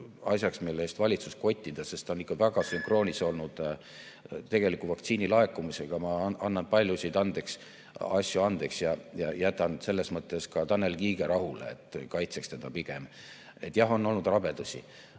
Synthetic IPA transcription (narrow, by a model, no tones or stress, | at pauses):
ɑsʲjɑksmilːe̞ːst̪vɑlʲit̪susko̞t̪ʲːid̪̥ɑse̞st̪onikːˑɑvæɡ̥ɑsyŋkro̞ːnʲiso̞lnud̪̥ | t̪e̞ɡ̥e̞likuvɑkt̪siːnilɑe̞kːumise̞ɡ̥ɑmɑʔɑnːɑnpɑlʲjusʲid̪ɑnd̪̥e̞ks | ɑsʲjuɑnd̪̥e̞ksjɑjɑjæt̪ːˑɑn̥se̞lːe̞smɤt̪ːˑe̞skɑt̪ɑnːe̞lkiːɡe̞ɾɑɦulḛḛt̪ːˑkɑjt̪se̞kst̪e̞d̪̥ɑpiɡ̥e̞m | e̞t̪ːˑjɑɦo̞nːo̞lnud̪̥rɑb̥e̞d̪̥usʲḭ